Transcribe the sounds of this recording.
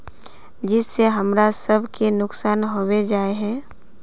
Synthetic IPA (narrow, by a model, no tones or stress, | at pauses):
d͡ʒɪsːeɦəmɾasəbʱkenʊksaːnɦowed͡ʒaːeɦɛ̃ː